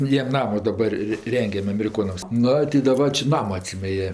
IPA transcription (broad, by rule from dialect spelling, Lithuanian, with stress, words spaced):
ˈjiɛm ˈnɑːmoː dɐˈbɐr rʲɪ ˈrʲɛŋʲɡʲɛm ɐmʲɛrʲɪˈkoːnɐms ˈnʊ tʲɪ dɐˈbɐr t͡ʃʲɛ ˈnɑːmoː ɐtʲˈsʲiːmʲɛ ˈjiɛ